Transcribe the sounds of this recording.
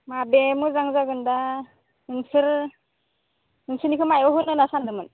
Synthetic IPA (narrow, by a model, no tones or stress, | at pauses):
mabemuzaŋzaɡɯnda | ɯnsɯɾ | ɯnsɯɾnikʰɯmajɔɦunɯnasandɯmɯn